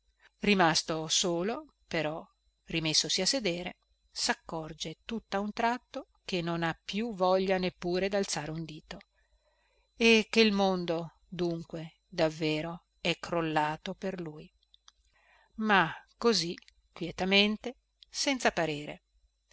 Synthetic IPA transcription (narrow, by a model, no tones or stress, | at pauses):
rimast̪osoːlo | peɾɔ | rimesːosiasːed̪eːɾḛ | sakːɔrd͡ʒet̪ut̪ːaunt̪ɾat̪ːo | k̟enːonapːjuvɔʎːanepːuːɾed̪alt̪saːɾeund̪iːt̪o | ek̟ːeilmond̪o | d̪uŋkwe | d̪avːeːɾo | ɛkɾolːaːt̪operluːj | makːozi | kːwjɛt̪ament̪e | sɛnt̪sapaɾeːɾḛ